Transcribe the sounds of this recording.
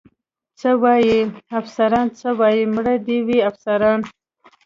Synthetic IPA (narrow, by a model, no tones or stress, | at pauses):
t͡səwɑjiafsaɾɑnt͡səwɑjimɽad̪iwiafsaɾɑn